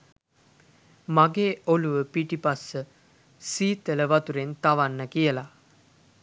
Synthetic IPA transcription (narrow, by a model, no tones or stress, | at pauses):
maɡeːoluʋəpiʈipasːə | siːt̪ələʋat̪uɾent̪aʋanːəkijəla